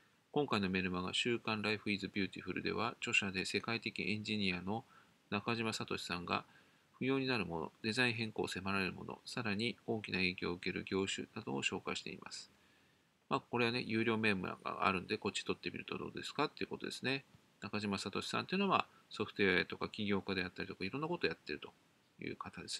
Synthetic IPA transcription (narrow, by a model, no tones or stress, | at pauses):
kõ̞ŋkaino̞me̞ɾɯ̟maɡa̰ɕɨːkãnɾaiɸɯ̟iːzɨbʲɨːt̪ʲiɸɯ̟ɾɯ̟d̪e̞̰βat͡ɕo̞ɕad̪e̞se̞kait̪e̞kʲiʔẽ̞ɲ̟d͡ʑiɲ̟iano̞ | nakaʑimasat̪o̞ɕi̥sãŋɡa̰ | ɸɯ̟jo̞ːɲ̟inaɾɯ̟mo̞no̞̰d̪̥e̞zaĩɦẽ̞ŋko̞̰ːse̞maɾaɾe̞ɾɯ̟mo̞̰no̞̰saɾaɲ̟io̞ːkʲinae̞ːkʲoːɯ̟ke̞ɾɯ̟ɡʲo̞ːɕɨ̰nad̪o̞ːɕo̞ːkaiɕi̥t̪e̞̰ḭmʔa̰sɨ̥ | maːko̞ɾe̞βane̞̰jɯ̟ːɾʲo̞ːme̞ːmɯ̟̰ɾa̰ɡa̰a̰ɾɯ̟nod̪e̞ko̞t͡ɕːi̥t̪o̞t̪ːe̞bʲḭɾɯ̟t̪od̪o̞̰ːd̪e̞sɨ̥kat̪ːeiɯ̟̰ko̞t̪od̪e̞sɨne | nakaʑimasat̪o̞ɕi̥sã̰nt̪eiɯ̟noβa̰ | so̞ɸɯ̟t̪oeaet̪o̞kakʲiɡʲo̞ːkad̪e̞jat̪ːaɾʲit̪o̞kaiɾõ̞nːakot̪oːjat̪ːe̞ɾɯ̟t̪o̞̥ | jɯ̟̰ːkat̪ad̪e̞sɨ̥